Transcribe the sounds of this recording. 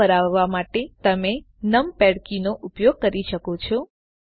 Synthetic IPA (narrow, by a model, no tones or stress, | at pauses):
əɾaʋːamaʈet̪əme | nəmpɛɽkinoʔupjoɡ̚kəɾiʃəkot͡ʃʰɔ